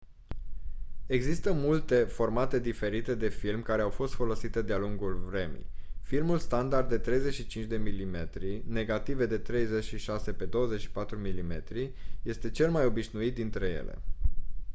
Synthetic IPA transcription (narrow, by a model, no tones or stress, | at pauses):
e̞ɡzist̪əmult̪e̞fo̞rmat̪e̞d̪ife̞ɾit̪e̞d̪e̞filmkaɾe̞awfo̞st̪fo̞lo̞sit̪e̞d̪ealuŋɡulvɾe̞mḭjfilmulst̪and̪ard̪ːe̞t̪ɾe̞jze̞t͡ʃʃit͡ʃint͡ʃd̪e̞milime̞t̪ɾine̞ɡat̪ive̞d̪e̞t̪ɾe̞jze̞t͡ʃʃiʃase̞pe̞d̪o̞wəze̞t͡ʃʃi̥pat̪ɾumilime̞̰t̪ɾije̞st̪e̞t͡ʃe̞lmajo̞biʃnuit̪̚d̪int̪ɾe̞je̞̰le̞̰